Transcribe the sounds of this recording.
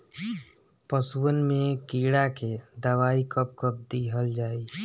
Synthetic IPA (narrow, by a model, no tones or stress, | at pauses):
pəsuənmẽkiːɽaked̪əwaːikəp̚kəp̚d̪iɦəld͡ʒaːi